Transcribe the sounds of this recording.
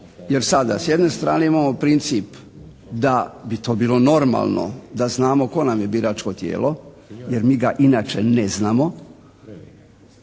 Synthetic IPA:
jeɾsad̪a̰sjed̪ne̞st̪ɾa̰ːne̞imaːmopɾint̪siːp | d̪abit̪o̞ːbiːlo̞no̞ɾma̰ːlˠno̰d̪aznaːmo̞ko̞namje̞biːɾaːt͡ʃko̞t̪jḛːlo̞ | jeɾmiːɡaʔinaːt͡ʃeneznaːmo̞

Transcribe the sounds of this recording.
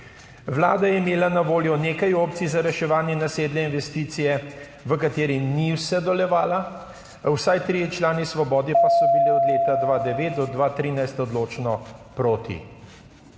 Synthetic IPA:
ʋlaːd̪ajɛimeːlanaʋoːljɔneːkajoːp̚t̪sizaɾɛʃɛʋaːnjɛnaseːd̪lɛinʋɛst̪iːt̪sijɛ | ʋəkat̪eːɾiniwsɛd̪ɔlɛʋaːla | wsajt̪ɾiːjɛt͡ʃlaːnisʋɔbɔːd̪ipasɔbiliɔd̪leːt̪ad̪ʋaːd̪ɛʋeːt̪̚d̪ɔd̪ʋaːt̪ɾiːnajst̪ɔd̪loːt͡ʃnɔpɾoːt̪ḭ

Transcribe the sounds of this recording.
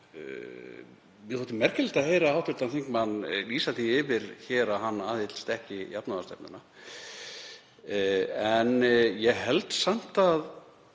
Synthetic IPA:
mjɛθɔːt̪ɪmɛr̥cɪlɪt̪aheːjɾaaːwt̪ʰʏɾ̥t̪anθeŋkmanːliːsaθiɪvɪɾ̥çɛːɾaɦanːaːðɪt̪l̥st̪ɛhcɪjapnaast̪ɛpnʏ̰nːa | ɛnjɛɣɦɛlt̪sam̥t̪að

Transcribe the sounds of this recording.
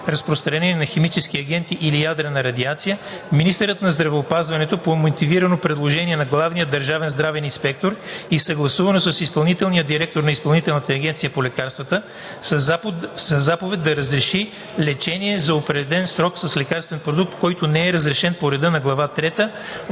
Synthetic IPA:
ɾɐspɾost̪ɾɐnɛniɛnɐxɛmit͡ʃɛskiɐɡ̟ɛnt̪iʔilijad̪ɾənɐɾɐd̪iat̪sijəminist̪ɛɾət̪nɐzd̪ɾɐvɛopazvɐnɛt̪opomot̪iviɾənopɾɛd̪lˠoʒɛniɛnɐɡlˠavnijəd̪ɐɾʒavɛnzd̪ɾavɛninspɛk̚t̪oɾisɐɡlˠɐsuvɐnosəsispɐlˠnit̪ɛlˠnijəd̪iɾɛk̚t̪oɾnɐispɐlˠnit̪ɛlˠnət̪ɐːɡʲɛnt̪sijəpolɛkaɾst̪vɐt̪ə | sɐzapovɛt̪̚d̪ɐɾɐzɾɛʃi | lɛt͡ʃɛniɛzɐopɾɛd̪ɛdlɛnsɾɔksɐslɛkaɾst̪vɛnpɾod̪uk̚t̪kɔjt̪onɛɛɾɐzɾɛʃɛnpoɾɛd̪ɤnɐɡlˠɐvat̪ɾɛt̪ə

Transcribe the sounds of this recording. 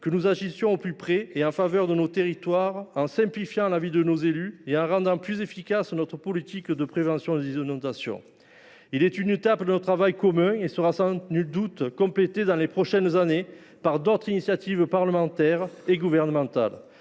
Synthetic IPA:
kənuzaʒisjɔ̃oplypχɛeɑ̃favœʁd̪ənot̪eʁit̪waʁɑ̃sɛ̃mplifjɑ̃lavid̪ənozelyeɑ̃ʁɑ̃d̪ɑ̃plyzefikasnɔt̪χəpɔlit̪ikd̪əpχevɑ̃sjɔ̃d̪izɔnɔ̃t̪asjɔ̰̃ | ilɛt̪ynet̪apd̪ənot̪χavajkɔmɛ̃esəʁasɑ̃nyld̪ut̪kɔ̃plet̪ed̪ɑ̃lepχɔʃɛnzane | paʁd̪ɔt̪χinisjat̪ivpaʁləmɑ̃t̪ɛʁeɡuvɛʁnəmɑ̃t̪a̰l

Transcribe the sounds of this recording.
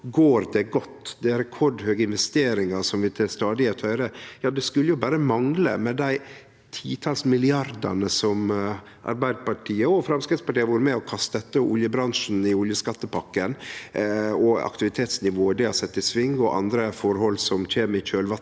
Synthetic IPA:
ɡoːɾd̪ɛɡɔt̪ːd̪ɛɾɛkʰɔɖhøːɡəɪnʋɛst̪eːɾɪŋɑsɔmʋɪt̪ʰɪst̪ɑːd̪ɪɛt̪ʰhœʏɾəjɑːd̪ɛskʉlːəjʊbæːɾəmɑŋlə̰mɛd̪æɪ | t̪ʰiːt̪ʰɑːlsmɪlɪɑɾd̪ɑ̰nəsɔm | ʔɑ̰ɾbæɪd̪əpɑʈʰiːəɔfɾɑmskɾɪt̪spɑʈiːəʋuːɾəmɛɔkʰɑst̪d̪ɛt̪ːəɔʔʊljəbɾɑnʂn̩ɪʊljəskɑt̪ːəpɑkːən | ɔɑ̰kt̪ɪʋɪt̪ʰeːt̪snɪʋoːəd̪ɛhɑsɛt̪ːɪsʋɪŋɡɔʔɑ̰nd̪ɾəfɔɾhɔlːsɔmc͡çeːmɪçøːlʋɑ

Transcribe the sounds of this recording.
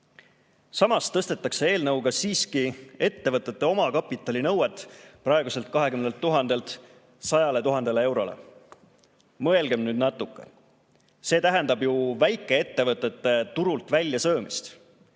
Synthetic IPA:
sɑmɑst̪ɤst̪e̞t̪ːˑɑkse̞e̞ːlnɤwɡ̥ɑsiːskie̞t̪ːe̞vɤt̪ːˑe̞t̪ːˑe̞o̞mɑkɑpːˑit̪ːˑɑlʲinɤwet̪ːˑprɑeɡuse̞lt̪̚kɑɦe̞kymnelt̪ːuɦɑnd̪̥e̞lt̪ | sɑjɑlet̪uɦɑnd̪e̞lee̞wɾo̞̰lḛ | mɤ̞e̞lɡemnyːd̪̚nɑt̪ːˑukːˑḛ | se̞ːt̪æɦɛnd̪ɑbjuvæjkːˑe̞e̞t̪ːe̞vɤt̪ːˑe̞t̪ːˑe̞t̪uɾult̪vælʲjɑsɤːmist̪

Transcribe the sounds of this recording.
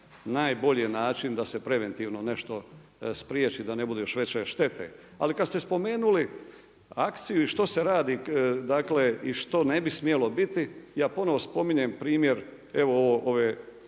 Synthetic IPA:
naːjbo̞ʎinaːt͡ʃind̪asepɾe̞ʋe̞nt̪iːʋnone̞ʃt̪o̞ | spɾjeːt͡ʃid̪ane̞bud̪ejoʃʋe̞t͡ɕeʃt̪e̞t̪ʰḛ | a̰likad̪st̪e̞spo̞me̞ːnuli | akt̪sijuiʃt̪o̞se̞ɾaːd̪id̪akleiʃt̪o̞ne̞bismjelo̞bit̪ijaːpo̞no̞ʋo̞spo̞miɲempɾiːmje̞ɾ | e̞ʋooʋoʔoʋeː

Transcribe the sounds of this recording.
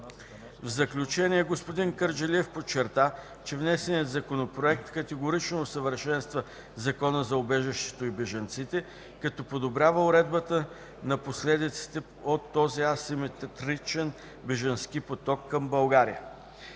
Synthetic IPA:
vzɐklʲut͡ʃɛniɛɡospod̪inkəɾd͡ʒɛliɛfpot͡ʃːɛɾt̪a | t͡ʃɛvnɛsɛniət̪zɐkonopɾoɛk̚t̪kɐt̪ɛɡoɾit͡ʃnoːsəvəɾʃɛnst̪və | zɐkɔnəzɐʊbɛʒɛʃt̪ɛ̥t̪oibɛʒɐnt̪sit̪ɛ | kɐt̪ɔpod̪obɾʲavəʊɾɛd̪̚bət̪ə | nɐposlɛd̪it̪si̥t̪ɛ | ot̪ːɔziɐsimɛt̪t̪ɾit͡ʃɛn | bɛʒənskipot̪ɔkːɐmbɐlˠɡaɾijə̰

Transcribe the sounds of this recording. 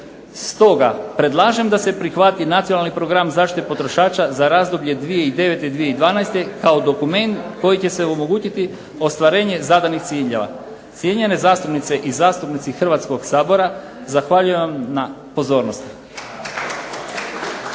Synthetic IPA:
st̪o̞ɡapɾe̞d̪lˠaːʒe̞md̪ase̞pɾixʋat̪inat̪sionalnipɾo̞ɡɾamzaːʃt̪it̪epo̞t̪ɾo̞ʃaːt͡ʃazaɾaːzd̪o̞bʎe̞d̪ʋije̞id̪e̞ʋe̞t̪e̞d̪ʋije̞id̪ʋaːnajst̪e̞kaod̪o̞kume̞nt̪ko̞jit͡ɕe̞se̞omo̞ɡuːt͡ɕit̪i | o̞st̪ʋaɾe̞ːɲe̞zad̪anixt̪siːʎe̞ʋa̰ | t̪sjeɲe̞ne̞zaːst̪upnit̪se̞ʔizaːst̪upnit̪sixr̩ʋaːt̪sko̞ɡsaːbo̞ɾa | zaxʋaʎuje̞ʋamna | po̞zo̞ːɾnost̪

